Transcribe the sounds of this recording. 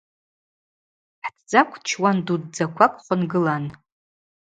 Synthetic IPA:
ħdʰd͡zakʷʰt͡ʃʰwandudd͡zakʷʰakʷʼχʷʊnɡɨlan

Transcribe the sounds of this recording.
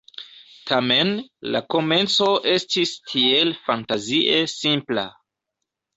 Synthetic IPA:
tʰame̞nla̰ko̞me̞nt͡so̞ʔe̞stistʰielfantaziʔe̞sĩmpla̰

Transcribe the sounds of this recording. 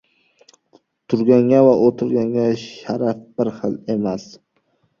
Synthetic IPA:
t̪ʰʊɾɡʲaŋʲavaʔot̪ʰʊɾɡʲaŋɡʲaʃaɾafb̥ɪɾχɨlemas

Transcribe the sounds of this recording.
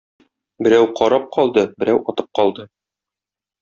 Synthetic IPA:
bɘ̆ɾæwqɒɾɑp̚qɒlˠd̪ɤbɘ̆ɾæwɒt̪ɤp̚qɒlˠd̪ɤ

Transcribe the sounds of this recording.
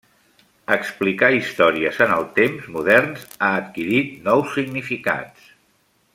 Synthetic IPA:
əksplikaist̪ɔɾiəzənəlˠt̪emzmuðɛrnzaət̪kiɾit̪nɔwsːiɡnifika̰s

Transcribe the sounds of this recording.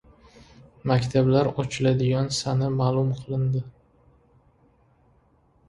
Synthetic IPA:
makʲt̪ʰablaɾɒt͡ʃʰɪlad̪ɪɡʲansanɪmaːlˠʊmqʰɨlˠɪnd̪ɪ

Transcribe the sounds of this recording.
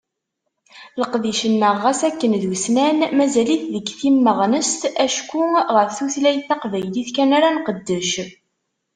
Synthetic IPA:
ləqðiʃənːəʁːæsækːənðusnænmæzæliθðəɡθimːəʁnəst̪æʃkːuʁəɾθuθlæjθɑqvæjliθkænaɾanqəd̪ːəʃ

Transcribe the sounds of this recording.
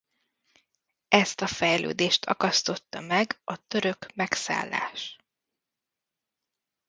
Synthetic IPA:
ɛst̪ɒfɛjlø̰ːd̪eːʃt̪ʰɒ̰kɒst̪o̞t̪ːɒmɛɡɒt̪øɾø̞kmɛksa̰ːlːa̰ːʃ

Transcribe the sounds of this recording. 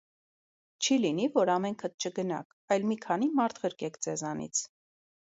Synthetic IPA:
t͡ʃʰilinivɔɾɑmɛŋkʰət̪̚t͡ʃʰəɡənɑ̰kʰɑjlmikʰɑnimɑɾt̪ʰʁəɾkɛkʰt͡sɛzɑnḭt͡sʰ

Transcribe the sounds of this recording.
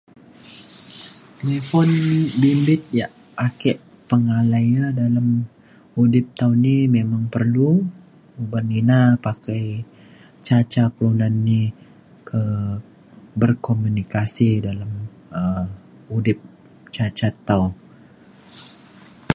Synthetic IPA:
t̪elefɔnbimbɪt̪̚jaʔ | akɛʔ | pəŋalajadalam | udɪp̚t̪awnimemaŋpərlu | ubaninapakaj | t͡ʃat͡ʃaklunanːi | kʰə | bərkomunikasidalam | ə | udɪp̚ | t͡ʃat͡ʃat̪aw

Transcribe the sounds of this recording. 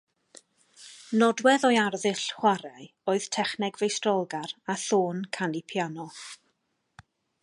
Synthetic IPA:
nɔdwɛðɔjarðɪɬχwaɾaj | oːɨð̥tʰɛχnɛɡvejstrɔlˠɡaɾaθoːnkʰanipʰjanɔ

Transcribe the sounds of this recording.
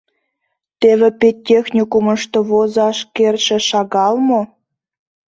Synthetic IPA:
t̪eβĕpetʲːexnʲikuməʃt̪oβozɑʃkerʃĕʃɑɣɑlmo

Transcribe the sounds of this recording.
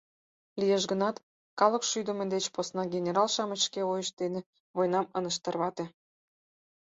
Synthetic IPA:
lijeʃɡənɑt̪ | kɑləkʃyd̪ə̆med̪et͡ɕposnɑɡʲenʲeɾɑlʃɑmət͡ɕkeojəʃd̪ene | βojnɑmənə̆ʃt̪ə̆rβɑt̪e

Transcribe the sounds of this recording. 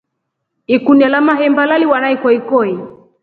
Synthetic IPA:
ikunialamaɦɛmbalaliwanaikɔikɔi

